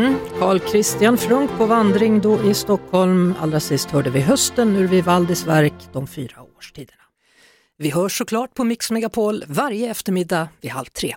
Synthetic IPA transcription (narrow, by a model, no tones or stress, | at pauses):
kʰɑːɭkʰɾɪst̪ɪanfɾɵŋkpʰɔvand̪ɾɪŋd̪ɔʔɪst̪ɔkʰhɔlma̰lːɾasɪst̪hœːɖəvɪɦœst̪ənːɵɾvɪvald̪ɪsvæɾkd̪̥ɔmfyːɾaoːʂʈʰiːd̪əɳa | vɪɦœːʂɔkʰlɑːʈ̚pʰɔmɪksmɛɡapʰoːlvaɾjəɛft̪əɾmɪd̪ːavɪha̰lt̪ʰːɾḛː